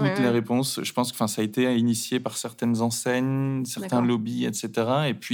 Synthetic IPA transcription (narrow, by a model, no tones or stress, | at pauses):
ut̪leʁepɔ̃sʒəpɑ̃sɑ̃fɛ̃saːet̪einisjepaʁsɛʁt̪ɛnzɑ̃sɛɲsɛʁt̪ɛ̃lɔbiɛ̰t̪set̪eʁaepɥi